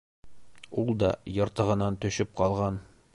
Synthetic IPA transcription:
ulˠd̪ɒjŏɾt̪ɤ̆ʁɤ̆nɑnt̪ɵ̆ɕɵp̚qɒlˠʁɑn

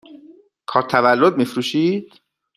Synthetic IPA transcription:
kʰɒːɾt̪ʰævælːod̪̚mifɾuːʃiːd̪̥

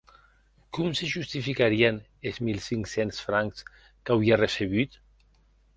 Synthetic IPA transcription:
kumseʒust̪ifikaɾien | ezmilˠsiŋksensfɾaŋks | kawiareseβ̞yt̪

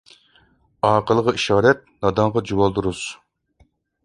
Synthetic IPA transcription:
ɑːqəlˠəʁəiʃɑːɾɛt̪̚nɑd̪ɑɴʁɑd͡ʒuwɑlˠd̪uɾuz̥

